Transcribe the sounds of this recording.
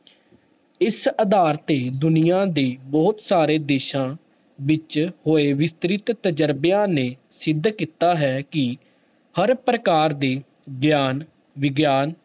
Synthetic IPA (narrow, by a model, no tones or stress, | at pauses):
ɪsəd̪aːɾt̪eːd̪ʊnijãːd̪eːbɔːt̪saːɾeːd̪eːʃãː | ʋɪt͡ʃhoːeːʋɪst̪ɾɪt̪t̪əd͡ʒəɾbjãːneː | sɪd̪ːkiːt̪aːɦɛːkɪ | həɾpɾəkaːɾd̪eː | ɡjaːn | ʋɪɡjaːn